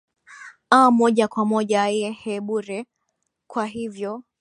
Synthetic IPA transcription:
amɔʄakwamɔʄajɛhɛɓuɾɛ | kwaɦivjɔ

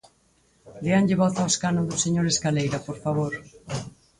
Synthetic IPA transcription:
d̪eaŋʎɪβɔθawskanoðʊseɲoɾeskalejɾapoɾfaβ̞oɾ

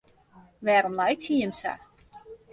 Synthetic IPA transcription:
ʋɛːɾɔmlajtʰiəmsa̰

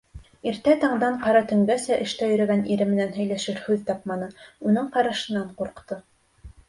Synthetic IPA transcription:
iɾt̪æt̪ɑɴd̪ɑɴqɑɾɑt̪ɵ̆ŋɡæsæʔɘ̆ʃt̪æjɵ̆ɾæ̆ɡæniɾɘmɘ̆nænɦɵ̆jlæʃɘɾhʉðt̪ɑp̚mɑnɤunɤɴqɑɾɑʃɤ̆nɑɴquɾqt̪ɤ

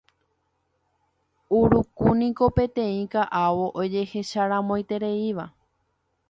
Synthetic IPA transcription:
uɾukunĩko̞pẽ̞t̪ẽ̞ĩkaʔaʋo̞ʔod͡ʒe̞he̞ʃaɾãmõ̞j̃t̪e̞ɾeiʋa

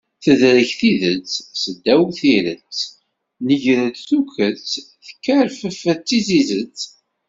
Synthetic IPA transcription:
θəðɾəçθiðət͡ssəd̪ːæwθiɾət͡s | nəʝɾəd̪θukət͡s | θə̥kːæɾfəfət͡sːizizət͡sː

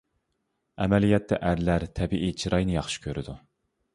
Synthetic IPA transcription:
ɛmɛlijɛt̪ʰːɛ̰ʔæɾlæɾt̪ʰɛbiʔit͡ʃʰiɾɑjnɨjɑχʃi̥kʲʰøɾɪd̪u

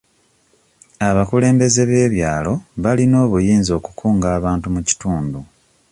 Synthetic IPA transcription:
aβakule̞ːmbe̞ze̞βe̞ːβjaːlo̞βalino̞ːβujiːnzo̞ːku̥kʰuːŋɡaːβaːntumuci̥tuːndu

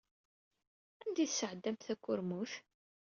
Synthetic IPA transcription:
ænd̪iθsəʕəd̪ːæmt̪θækʷːʊɾmuθ

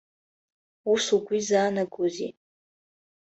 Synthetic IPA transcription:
usuɡʷizaːnaɡozḭ

